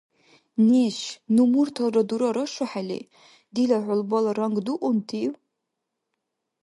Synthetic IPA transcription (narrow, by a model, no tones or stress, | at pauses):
neʃnumurtʰɐlrɐduɾɐɾɐʂɨħalḛ | dilaʕʷʊlbalaɾɐŋɡduʔʷʊntʰiw